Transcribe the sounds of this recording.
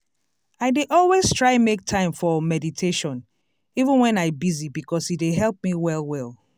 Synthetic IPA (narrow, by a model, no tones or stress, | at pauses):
aɪdeʔɔlˠwestʰɹaɪmek̚tʰãɪ̃mfɔmɛditʰeʃɔ̃n | ivə̃nwɛ̃naɪbizibikʰɔsieɦɛlˠp̚miwɛlˠwɛlˠ